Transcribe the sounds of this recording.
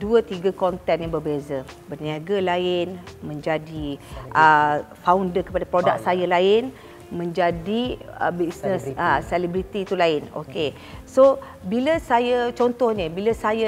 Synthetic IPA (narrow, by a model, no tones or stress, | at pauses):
duət̪iɡakɔnt̪ɛnjaŋbərbezəbərniaɡalaɪnmə̃ɲd͡ʒadiʔəfaundərkəpadapɾodak̚sajalaɪn | mə̃ɲd͡ʒadiə̰bisnə̃səsɛlibɾit̪it̪ulaɪno̰ke | so | biləsajət͡ʃɔnt̪ɔhɲəbiləsaja